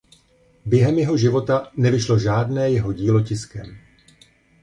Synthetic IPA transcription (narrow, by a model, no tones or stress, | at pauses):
bjɛɦɛmjɛɦo̞ʒɪvo̞t̪anɛvɪʃlo̞ʒaːdnɛːjɛɦo̞ɟiːlo̞cɪskɛm